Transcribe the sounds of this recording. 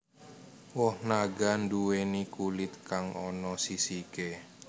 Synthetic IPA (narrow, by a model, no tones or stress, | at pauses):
wɔhnaɡanduwenikulɪt̪̚kaŋɔnɔsisike